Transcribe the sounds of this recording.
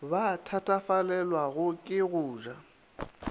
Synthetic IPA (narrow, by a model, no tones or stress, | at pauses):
batʰatʼafalɛlwaɣʊkʼɪɣʊːʒa